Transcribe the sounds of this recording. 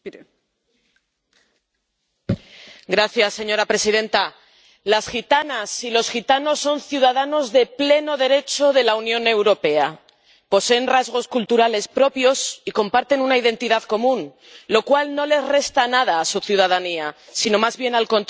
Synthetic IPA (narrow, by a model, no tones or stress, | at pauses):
ɡɾaθjasːe̞ɲo̞ɾapɾe̞siðe̞nt̪a | lasxit̪anasilo̞sxit̪ano̞sːo̞nθjuðaðano̞zðe̞ple̞no̞ðe̞ɾe̞t͡ʃo̞ðe̞launjõ̞ne̞wɾo̞pe̞a | po̞se̞ːnrazɣ̞o̞skult̪uɾale̞spɾo̞pjo̞siko̞mpaɾt̪e̞nunaiðe̞nt̪iðaðko̞mũn | lo̞kwalno̞le̞zre̞st̪anaðaːsuθjuð̞að̞aniasino̞mazβje̞nalko̞nt̪